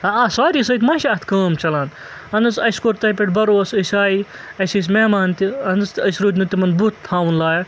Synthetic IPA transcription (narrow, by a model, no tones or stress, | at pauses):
aɐsaːɾʲis̬ɐjt̪ʲmaːʃiɐt̪ʰʲkaːmt͡ʃɐlaːn | ɐnɨt͡sɐsʲkoɾt̪ɐjpʲeʈbɐɾoːɐsɨsʲaːjiɐsis̬ʲmeːmaːnt̪iɐnɨst̪ɐsɾuːd̪ʲnut̪imɐnbut̪̚pʰaːwunlaːjɐ